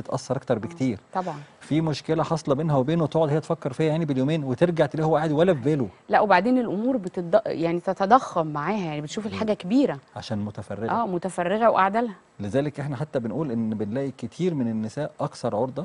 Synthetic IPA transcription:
et̪ʔɑsːɑɾˤʔɑk̚t̪ɑɾˤbekt̪iːɾt̪ˤɑbʕɑnfiːmoʃkelæħɑsˤlɑbeːnɦæwebeːnot̪oʕod̪hejːt̪fækːeɾˤfihæjaʕnibeljoːmeːnwet̪eɾɡaʕt̪liːhowʔaʕd̪iwælːæveːlolæʔwebaʕd̪eːnelʔomuːɾbet̪ed̪jaʕnit̪et̪ɑd̪ɑxːɑmːaʕaːhæjaʕnibenʃuːfelħaːɡækebiːɾæʕaʃæːnmot̪æfɑ̰rːeʔæːmot̪æfɑrˤːeɣæwʔaʕd̪ælhæ | lezæːlekʔeħnæħat̪ːæbenʔuːlʔenːbenlæːʔiket̪ʰiːɾmenenːesæːʔʔɑkθɑɾˤʕoɾd̪ˤɑ

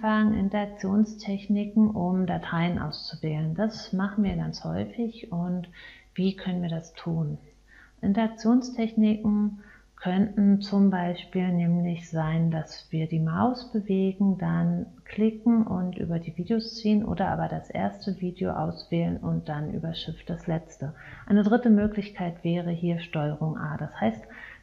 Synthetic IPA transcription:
faŋnʔɪ̰ntɐak̚t͡sjoːnstʰɛçnɪkŋ̩ʔʊmdatʰaɪənʔa̰ʊst͡suvɛːlənd̥asmaχn̩viːɐɡant͡shɔ̰ʏfɪçʊntv̥iːkʰœnənviːɐdastʰuːn | ʔɪntɐak̚t͡sjoːnstʰɛçnɪkŋ̩ | kʰœntn̩t͡sʊmbaɪʃpiːlnɛːmlɪçz̥aɪndasv̥iːɐdiːmaʊsb̥əveːɡŋ̩dankʰl̥ɪkŋ̩ʔʊ̰ntʔy̰ːbɐdiːviːdeost͡siːənʔo̰ːdɐʔa̰ːbɐdasʔḛːɐstəviːdeo̰ʔa̰ʊsv̥ɛːlənʔʊnt̚d̥anʔy̰ːbɐʃɪft̚d̥aslɛt͡stəʔaɪnədʁɪtəmøːklɪçkʰaɪtv̥ɛːʁəhiːɐʃtɔʏəʁ̞ʊŋʔa̰ːdashaɪst

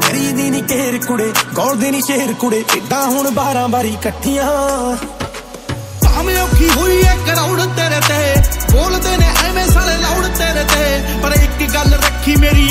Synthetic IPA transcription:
kəɾiːd̪iːnĩːkeːɾkʊɽeːɡoːld̪eːniːʃeːɦɾkʊɽeːʔɪd̪ãːɦʊɳbaːɾãːbaːɾiːkəʈʰːɪjãː | paːmẽːoːkʰiːɦʊiːeːkɾaːʊɽt̪eːɾɛːt̪eːboːld̪eːnẽːʔeːmẽːsaːlẽːlaːʊɽt̪eːɾɛːt̪eː | pəɾɪkɡəlɾəkʰːiːmeːɾiː

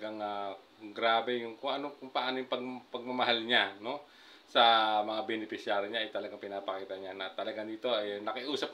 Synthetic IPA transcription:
ɡaŋa | ɡɾaːbɛjʊŋkʊŋʔɐnokʊŋpɐʔaːnojʊŋpɐɡ̚pɐɡ̚mɐmɐɦalɲano̞ | sɐmɐŋabɛnɪpɪsjaːɾɪɲaʔɐjt̪ɐlɐɡaŋpɪnapɐkiːt̪ɐɲanɐt̪ɐlɐɡad̪iːt̪o̞ɐjnɐkɪʔuːsɐp̚

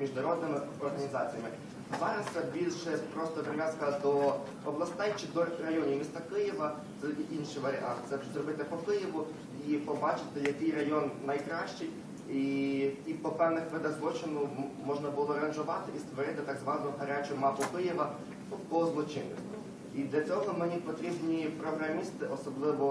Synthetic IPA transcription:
mʲiʒnɐɾɔd̪nɪmɪɔrɦɐnʲizɑ̰t͡sʲijɐmɪ | zɑɾɐst̪sɛbʲilʲʃɛpɾɔst̪ɔpɾɪʋʲjaskɐd̪ɔ | ɔblˠɐst̪ɛjt͡ʃɪd̪ɔrɐjɔnʲiwmʲist̪ɑkɪjɪʋɐ | ziʔinʃiʋɐɾʲɪʔɑnt̪sɛzrɔbɪt̪ɪpɔkɪjɪʋʊ | ipɔbɑt͡ʃɪ̥t̪ɪjɐkɪjrɐjɔnːɐjkɾɑʃt͡ʃɪj | iipɔpɛwnɪxʋɪd̪ɐɣzlˠɔt͡ʃɪnʊmɔʒnɐbʊlˠɔɾɐnʒʊʋɑt̪ɪʔist̪ʋɔɾɪt̪ɪt̪ɐɡzʋɑnɔʊɦɐɾʲat͡ʃʊmɑpʊkɪjɪʋɐ | pɔzlˠɔt͡ʃɪnɪ̰sɔ | id̪lʲɐt͡sʲɔɦɔmɪnʲipɔt̪ɾʲibnʲipɾɔɦɾɐmʲist̪ɪʔɔsɔblˠɪʋɔ

